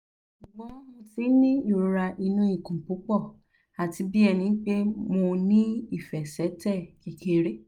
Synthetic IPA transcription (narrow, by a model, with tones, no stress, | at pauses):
ʃu˨ɡ͡bɔ̃˨˦mo˧ti˨˦nĩ˦i˦˨ɾo˨˦ɾa˧ʔi˧nũ˦i˦˨kũ˨pu˨˦k͡pɔ˦˨ | a˨ti˧bi˦ɛ˧nĩ˧˦k͡pe˦mo˧nĩ˦i˦˨fɛ˨sɛ˨˦tɛ˦˨ki˨ke˦˧ɾe˦